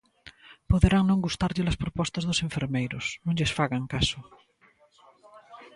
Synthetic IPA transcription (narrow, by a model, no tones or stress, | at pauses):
poðɾaŋnõŋɡust̪aɾʎɪlaspɾopɔst̪azðoseɱfeɾmejɾo̰snõɲʎesfaɣaŋkaso